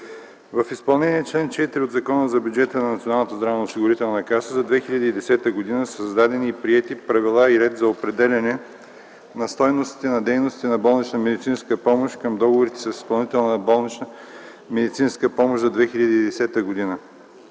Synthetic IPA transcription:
vɐfispɐlˠnɛniɛt͡ʃlɛnt͡ʃɛt̪ɾiod̪zɐkɔnəzɐbʲjud͡ʒɛt̪ənɐnɐt̪sionalˠnət̪əzd̪ɾavɛnosiɡʊɾit̪ɛlˠnəkasəzɐd̪vɛxilʲɐd̪iːd̪ɛsɛt̪əɡod̪inəsəzd̪ad̪ɛniːpɾiɛt̪ipɾɐvilˠaiɾɛd̪zɐopɾɛd̪ɛlʲɐnɛ | nɐst̪ɔjnost̪i̥t̪ɛnɐd̪ɛjnʊst̪i̥t̪ɛnɐbɔlˠnit͡ʃnəmɛd̪it̪sinskəpɔmoʃkəmd̪ɔɡovoɾit̪ɛ̥sɐsispɐlˠnit̪ɛlˠnəbɔlˠnit͡ʃnə | mɛd̪it̪sinskəpɔmoʃzɐd̪vɛxiʎʲɐd̪iːd̪ɛsɛt̪əɡod̪inə

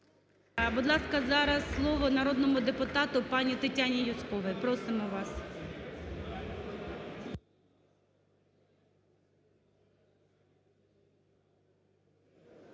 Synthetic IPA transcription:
bʊd̪lˠɑskɐzɑɾɐsːlˠɔʋɔnɐɾɔd̪nɔmʊd̪epʊt̪ɑt̪ʊpɑnʲit̪ɐtʲanʲijʊskɔʋɪpɾɔsɪmɔʋɑs

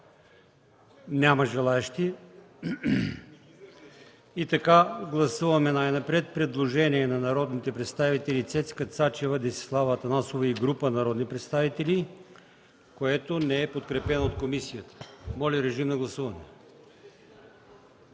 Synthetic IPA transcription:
nʲaməʒɛlˠaɛʃt̪i | it̪ɐkaɡlˠɐsuvɐmɛnajnɐpɾɛt̪̚pɾɛd̪lˠoʒɛniɛnɐnɐɾɔd̪nit̪ɛpɾɛt̪st̪avit̪ɛlʲit̪sɛt̪skət̪sat͡ʃɛvəd̪ɛsi̥slˠavəːt̪ɐnasovəiɡɾupənɐɾɔd̪nipɾɛt̪st̪avit̪ɛlʲi | koɛt̪onɛɛpot̪kɾɛpɛnoot̪̚komisijət̪ə̥mɔlʲiɾɛʒimnɐɡlˠɐsuvɐnɛ

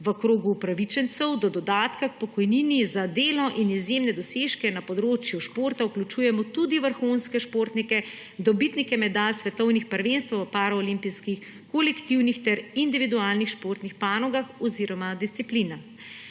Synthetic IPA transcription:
ʋəkɾoːɡupɾaʋit͡ʃɛnt̪sɛwd̪ɔd̪ɔd̪aːt̪kak̚pɔkɔjninizad̪eːlɔʔinizjemnɛd̪ɔseʃkɛnapɔd̪ɾoːt͡ʃjuʃpoːɾt̪auklʲut͡ʃuːjɛmɔt̪ud̪iʋəɾxunskɛʃpoːɾt̪nikɛ | d̪ɔbit̪nikɛmɛd̪alsʋɛt̪ɔwnixpəɾʋenst̪ʋʋəpaɾɔɔlimpiskix | kɔlɛkt̪iwnixt̪ɛɾind̪iʋid̪uaːlnixʃpoɾt̪nixpaːnɔɡaxɔziɾɔmad̪ist̪iplina

